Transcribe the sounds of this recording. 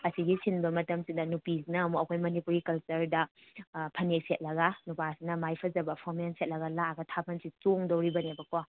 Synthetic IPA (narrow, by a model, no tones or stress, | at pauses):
ɐsiɡisinbɐmɐtɐmsidɐnupisinɐːmuɐkʰojmɐnipuɾikɐlt͡ʃɐɾdɐ | pʰɐnek̚set̚lɐɡɐnupasinɐmajpʰɐzɐbɐpʰɔmenset̚lɐɡɐlaɡɐtʰapʰɐnsit͡ʃoŋdowɾibɐnebɐka